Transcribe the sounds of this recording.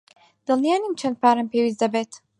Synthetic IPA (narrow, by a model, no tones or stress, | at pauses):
d̪̥ɐlˠnijaːnimt͡ʃʰɐnd̪̚pʰaːɾɐmpʰeːwizd̪ɐbeːt̪